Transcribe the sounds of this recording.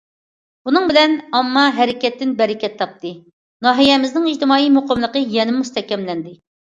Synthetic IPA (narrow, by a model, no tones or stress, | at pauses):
bunɨŋbɪlɛnɑmːɑɦɛɾɪkʲɛt̪ːɪnbɛɾɪkʲɛt̪ʰːɑp̚t̪ʰɨ | nɑːɦijɛmɪznɪŋid͡ʒt̪ɨmɑːijmoqəmlˠəqəjɛnɪmust̪ʰɛkʲɛmlɛnd̪ɪ